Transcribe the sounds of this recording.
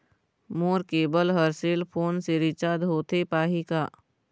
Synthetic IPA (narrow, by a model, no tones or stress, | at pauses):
moːɾkeːbəlɦəɾseːlpʰoːnseɾɪt͡ʃaːd̪ɦoːt̪epaːɦikaː